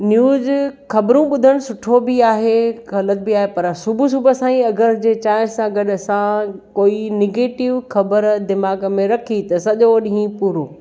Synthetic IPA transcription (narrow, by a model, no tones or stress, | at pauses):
njuːzxɐbɾũɓʊd̪ʱəɽ̃sʊʈʰobɪaːɦeɣɐlət̪̚biaːɦepɐɾsʊbʱus̬ubʱəsãːĩɐɡəɾd͡ʑeːt͡ɕaːɪnsãɡɐɗɐsãkoːinɪɡeːʈɪʋxɐbəɾd̪ɪmaːɡmẽɾɐkʰit̪ɐsɐʄoɗĩɦĩpuːɾõː